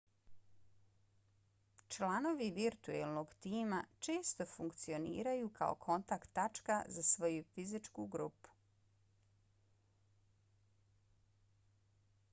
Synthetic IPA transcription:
t͡ʃlˠano̞ʋiʋiɾt̪uḛlˠno̞ɡt̪iːmat͡ʃe̞ːst̪o̞fuŋkt̪sio̞nḭːɾajukʰa̰o̰kʰo̞nt̪akt̪ːat͡ʃkazasʋo̞jufizit͡ʃkuɡɾupu̥

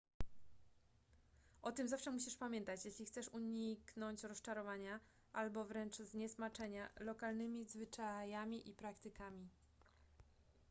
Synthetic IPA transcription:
ʔɔt̪ɘmzafʂɛmuɕiʂpamʲjɛnt̪at͡ɕjeɕlʲixt̪sɛʂuɲiknɔɲt͡ɕɾɔst͡ʂaɾɔvaɲa | ʔalbɔvɾɛnt͡ʂzɲɛsmat͡ʂɛɲalɔkalnɘmʲizvɘt͡ʂajamʲiʔipɾakt̪ɘkamʲi

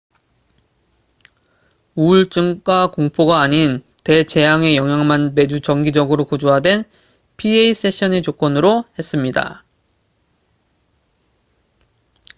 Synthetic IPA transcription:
uɭt͡ɕ͈ɯŋk͈wakoŋpʰoɡaːɲin | te̞t͡ɕe̞jaŋe̞jʌŋɦjaŋmanme̞d͡ʑut͡ɕʌŋɡid͡ʑʌɡɯɾokod͡ʑuɦadwe̞n | pʰieis͈e̞ɕʰʌnet͡ɕok͈ʌnɯɾohe̞s͈ɯmɲida̰

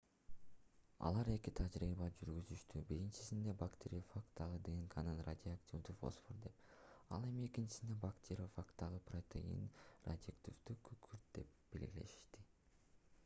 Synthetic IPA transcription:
ɑ̰lˠɑɾe̞kit̪ʰɑd͡ʒɾiːβɑd͡ʒyɾɡyzyʃt̪ybiɾint͡ʃi̥sind̪e̞bakt̪ʲeɾʲifakt̪ːɑʁɯd̪ɨŋkʰɑnɯnra̰dʲɪaktʲivd̪yfo̰sfoɾd̪e̞pɑ̰lˠe̞mie̞kint͡ʃi̥sind̪ebakt̪ʰʲeɾʲofakt̪ːɑʁɯprot̪ʲʰḛjḭnra̰d̪ʲɪakt̪ʲivd̪ykʰykʰyɾt̪̚d̪̥e̞pb̥e̞̰lɡile̞̰ʃi̥ʃt̪i

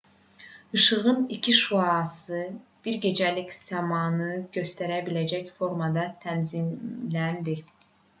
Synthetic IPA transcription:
ɯʃɯʁɯnicʰiʃuɑsɯb̥iɾɟe̞d͡ʒælicz̥ɑmɑnɯɟø̞st̪æɾæbilæd͡ʒæcfo̞ɾmɑd̪ɑt̪ʰænzimlænd̪i

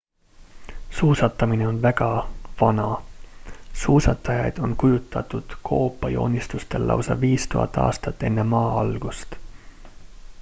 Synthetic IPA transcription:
suːsɑt̪ːˑɑmine̞o̞nvæɡɑvɑnɑ | suːsɑt̪ːˑɑjɑjd̪̥o̞nkujut̪ːˑɑt̪ud̪̥kʰo̞ːpːɑjo̞̰ːnʲist̪ust̪e̞lːɑ̰wsɑ̰viːst̪ṵɦɑ̰t̪ːɑ̰ːst̪ɑt̪ːe̞nːe̞mɑːɑlɡ̥ust̪

